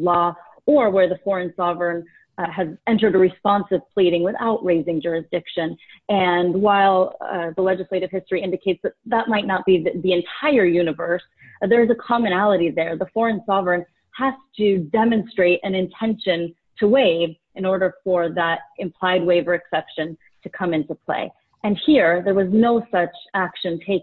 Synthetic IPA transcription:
lɔ | ə˞wə˞ðəfɔɹɨ̃nsɑvɹə̃˞n | ɨzɛ̃ntə˞ɾəɹɨspɑ̃nsɨv̥pʰl̥iɾɪ̃ŋwɨθa̰ʊʔɹeɪzɪ̃ŋd͡ʒʊɹɨsd̥ɪkʃɨ̃nɨ̃nwaɪlˠðəlɛd͡ʒɨsleɪɾɨv̥hɪstɹ̥iɪ̃ndɨkʰeɪtsðɨt̪̚ðət̚maɪtⁿnət̚b̥iðiɨ̃ntʰaɪə˞jʉnɨvə˞s | ðə˞zəkʰɑmɨñælˠəɾiðə˞ðəfɔɹɨ̃nsɑvɹə̃n | hæz̥tʰɨdɛmɨ̃nstɹ̥eɪɾʔɨ̃nɨ̃ntʰɛ̃nʃɨ̃n | tʰəweɪv | ʔɨ̃nɔɹɾə˞fə˞ðəɾʔɨ̃mpʰl̥aɪd̚weɪvə˞ɨksɛpʃɨ̃n | tʰɨkʰʌ̃mɪ̃ntupʰl̥ḛɪ | ʔɨ̃nhiɹðə˞wʌznoʊsʌt͡ʃækʃɨ̃ntʰeɪ

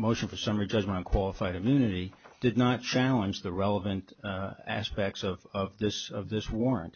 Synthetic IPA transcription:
moʊʃɨ̃n̩fə˞sʌ̃mɹid͡ʒʌd͡ʒmə̃ɾ̃ə̃nkʰw̥ɑlˠəfaɪɾɨ̃mjʉnɨɾid̥ɨdⁿnət̚t͡ʃʰælˠə̃nd͡ʒðɨɹɛlˠəvɨ̃ntæ̰spɛk̚tsʌvʌvðɪsʌvðɪswɔɹɨ̰̃nt̚

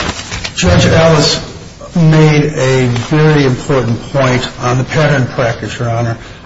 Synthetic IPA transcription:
d̥ʒ̥ʌd͡ʒælˠəs | meɪɾɨvɛɹiɨ̃mpʰɔɹʔn̩pʰɔ̃ɪ̃ntn̩ðəpʰæɾə̃˞npʰɹ̥ækɨt͡ʃə˞ɑnə˞

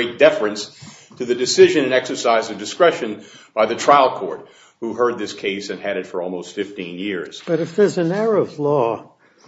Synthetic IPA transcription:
eɪt̚d̥ɛfɹɨ̃ns | tʰɨðɨdɨsɪʒɨ̃ñɨ̃nɛksə˞saɪzʌvdɨskɹɛʃɨ̃nb̥aɪðɨtʰɹ̥aɪlˠkʰɔɹt̚ | huɦɜ˞d̪̚ðɪskʰeɪsɨ̃nɨɾɨtfə˞ɔlˠmoʊstfɪftĩnjɪɹz̥b̥ʌɾɨfðə˞zɨ̃nɛɹəvlɔ

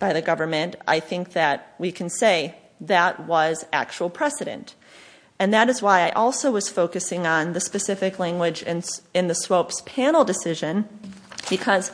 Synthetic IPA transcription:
b̥aɪðɨɡʌvə˞mɨ̃ntʔa̰ɪθɪ̃ŋk̚ðɨt̚wikʰɨ̃n̩seɪ | ðɨt̚wʌzæ̰k̚t͡ʃul̩ˠpʰɹ̥ɛsɨɾɨ̰̃nt | ɨ̃nðɨɾɨzwaɪaɪʔɔlˠsoʊwʌz̥foʊkɨsɪ̃ŋə̃nðɨspɨsɪfɨklæ̃ŋɡwɨd͡ʒɪ̃nɨ̃nðɨswoʊpspʰæ̃nl̩ˠdɨsɪʒɨ̃n | b̥ɨkʰʌz̥

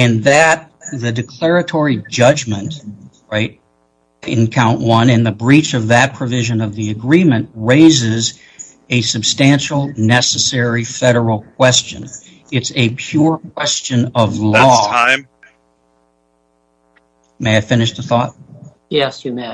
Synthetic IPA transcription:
ɨ̃nðɨt̪̚ðɨdɨkʰl̥ɛɹɨtʰɔɹid͡ʒʌd͡ʒmɨ̃nt | ɹaɪt̚ | ɪ̰̃nkʰãʊ̃nʔwʌ̃nɨ̃nðɨbɹit͡ʃʌvðɨt̚pʰɹ̥ɨvɪʒɨ̃nʌvðiɨɡɹĩmɨ̃nʔɹeɪzɪz | ɨsɨb̥stæ̃nʃl̩ˠnɛsɨsɛɹifɛɾə˞l̩ˠkʰw̥ɛst͡ʃɨ̰̃n | ɨtsɨpʰj̥ʊɹk̚ʰw̥ɛst͡ʃɨ̃nʌvlɔtʰãɪ̃m | meɪaɪfɪ̃nɨʃðəθɔt̚ | jɛsjɨmæ

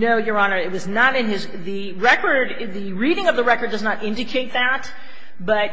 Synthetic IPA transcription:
noʊjə˞ɑnə˞ɨt̚wʌznəɾɨ̃nɪz | ðɨ | ɹɛkə˞d | ðɨɹiɾɪ̃ŋʌvðəɹɛkə˞dʌznəɾɪ̃ndɨkʰeɪt̪̚ðæt̚ | b̥ʌt̚

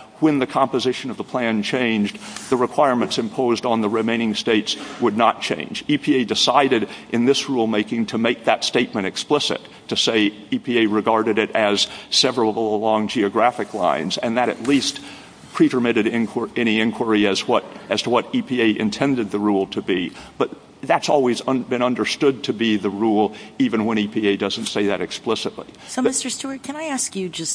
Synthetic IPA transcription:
wɨ̃nðɨkʰɑ̃mpɨzɪʃɨ̃nʌvðəpʰl̥æ̃nt͡ʃʰẽɪ̃nd͡ʒðɨɹɨkʰw̥aɪɹmɨ̃ntsɨ̃mpʰoʊzdn̩ðəɹɨmẽɪ̃ñɪ̃ŋsteɪtswədⁿnət̚t͡ʃʰḛ̃ɪ̃nd͡ʒipʰieɪdɨsaɪɾɨɾʔɨ̃nðɪsɹulˠmeɪkɪ̃ŋtʰɨmeɪk̚ðɨtsteɪt̚mɨ̃ɾ̃ɨksplɪsɨ̰tʰɨseɪ | ipʰieɪɹɨɡɑɹɾɨɾɪɾɨz̥sɛvɹl̩ˠəlɔ̃ŋd͡ʒiɨɡɹæfɨklã̰ɪ̃nzɨ̃nðɨɾɨ̰tˡlist | pʰɹ̥iɾə˞mɪɾɨɾɪ̃nkʰə˞ʔɛɾ̃iɪ̃nkʰwə˞iɨzwʌɾɨz̥tʰəwʌɾipʰieɪʔɨ̰̃ntʰɛ̃ndɨd̪̚ðəɹulˠtʰɨbib̥ʌt̪̚ | ðɨtsɔlˠwizʌ̃bɨ̃ñʌ̃ndə˞stʊd̚tʰɨbiðɨɹulˠivɨ̃nwə̃ɾ̃ipʰieɪdʌz̃n̩tseɪðɨɾɨksplɪsətˡlḭ | soʊmɪstə˞stuə˞kʰɨ̃naɪæskjɨd͡ʒʌs

